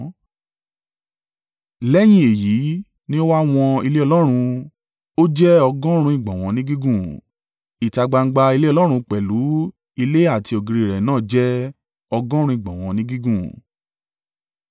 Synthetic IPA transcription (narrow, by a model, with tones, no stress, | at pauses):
lɛ˦j̃ĩ˦e˨ji˨˦ | nĩ˦o˦wa˦w̃ɔ̃˧i˧le˦ɔ˧lɔ˦ɾ̃ũ˧ | o˦d͡ʒɛ˦ɔ˧ɡɔ̃˦ɾ̃ũ˧ĩ˦˨ɡ͡bɔ̃˨w̃ɔ̃˨˧˦nĩ˦ɡi˦ɡũ˦˨ | i˨ta˧ɡ͡ba˧ŋ̩˦ɡ͡ba˧i˧le˦ɔ˧lɔ˦ɾ̃ũ˧k͡pɛ˨lu˨˦ | i˧le˦a˦˨ti˧o˨ɡi˨˧ɾi˨ɾɛ˨nãː˦˨d͡ʒɛ˦ | ɔ˧ɡɔ̃˦ɾ̃ũ˧ĩ˦˨ɡ͡bɔ̃˨w̃ɔ̃˨˧nĩ˦ɡi˦ɡũ˦˨